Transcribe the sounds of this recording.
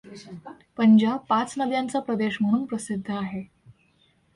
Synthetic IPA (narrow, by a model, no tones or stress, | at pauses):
pəɲd͡ʑab̚pat͡snəʋjãnt͡sapɾəd̪eɕm̤əɽ̃uːnpɾəsid̪ʱːəaɦe